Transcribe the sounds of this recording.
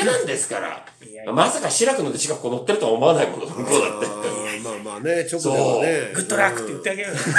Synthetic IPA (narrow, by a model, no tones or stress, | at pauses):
enãnd̪e̞sɨ̥kaɾa̰ | mamasakaɕiɾakɯ̟nod̪eɕi̥kakɯ̥kːoːno̞t̪ːe̞ɾɯ̟t̪oaomo̞anaikonod̪oŋkoːd̪a̰t̪ːet̪ːemamanet͡ɕoksod̪eːneɡɯ̟t̪ːoɾakːɯ̥t̪ːejɯt̪ːeaɡeɾɯ